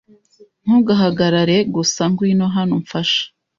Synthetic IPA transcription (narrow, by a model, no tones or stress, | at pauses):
n̥huɡaɦaɡaɾaɾe̞ɡusaŋɡwinoɦanoɱfaʃḁ